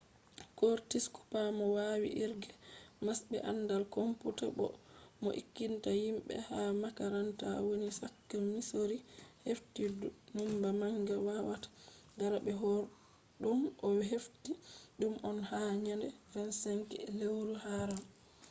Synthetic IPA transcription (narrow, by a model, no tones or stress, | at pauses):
koɾtisku̥pamɔwaːwḭʔiɾɡɛmasbɛ̰ʔanːdalkomputabɔ̰mɔ̰ʔḭkːintahimɓɛ̰hamakaɾanta̰wonisakːɛmisoɾiheftidnumbamaŋɡawawatḁɡaɾabɛɦɔɾ | ɗumʔɔɦeftiɗumʔɔnhaɲandɛɾɛnsaŋkɛ̰lewɾuhaɾam